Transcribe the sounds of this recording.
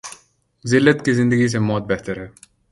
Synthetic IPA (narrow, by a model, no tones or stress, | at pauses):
zɪlːət̪kizɪ̃nd̪əɡis̬emɔːt̪̚bɛɦt̪əɾɦɛː